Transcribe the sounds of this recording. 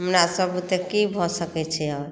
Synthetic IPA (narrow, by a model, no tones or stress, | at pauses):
ɦmɾasəbut̪ekibʱɔsəkɛt͡ʃʰɛɔɾ